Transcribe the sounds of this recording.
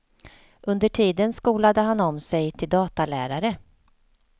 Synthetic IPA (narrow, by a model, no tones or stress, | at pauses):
ʔɵnd̪əʈʰiːd̪ənskuːlad̪əɦanɔmsɛjt̪ʰɪld̪ɑːt̪alæːɾaɾə